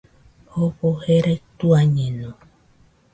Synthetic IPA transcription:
hopoheɾajt̪uaɲẽnõ

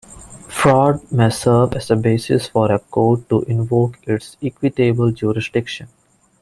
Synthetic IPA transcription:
fɾɔːɖmesəɾʋɛzəbeːsɪ̰sfɔɾekoːɖ̚ʈuʔɪ̃nʋoːkɪʈsɪkʋɪʈeːbəld͡ʒuːɾɪsɖɪkʃə̃n

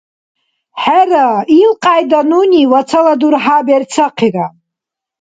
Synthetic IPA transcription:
ħarailqʼaːjdanunʲiwat͡sʰaladurħabart͡sʰaqʰira

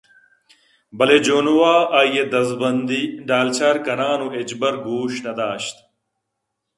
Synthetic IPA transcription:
bɐled͡ʑoːnowaːaːjjed̪ɐzbɐnd̪iɖaːlt͡ɕʰɐɾkɐnaːnoed͡ʑbɐɾɡuːɕnɐd̪aːɕt̪

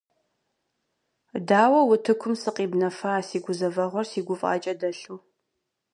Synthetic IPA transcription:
daːwɐwʊtʰɨkʷʰʊmsɨqʼiːbnɐfɐaːsiːɡʷʊzɐvɐʁʷɔrsiːɡʷʊfʼa̰ːt͡ʃʼɐdɐɬuː

